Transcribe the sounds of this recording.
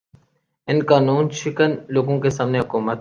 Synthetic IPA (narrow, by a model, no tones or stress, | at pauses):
ɪnkaːnuːnʃɪkənloːɡõkesaːmneɦʊkuːmət̪